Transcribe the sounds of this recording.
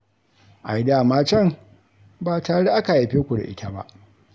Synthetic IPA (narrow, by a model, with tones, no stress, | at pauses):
ʔa˨jdaː˦˨maː˦t͡ʃɐ˦ŋ | baː˨taː˨ɽe˦ʔa˦ka˨ja˨ɸeː˦kʷu˨da̰˨ʔɪ˦tʰa˦ba̰˦ʔ